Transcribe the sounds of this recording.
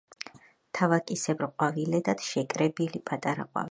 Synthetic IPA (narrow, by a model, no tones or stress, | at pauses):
t̪ʰavakʼisɛbɾqʼwavilɛd̪at̪ʰʃɛkʼɾɛbilipʼat̪ʼaɾa̰qʼwa̰v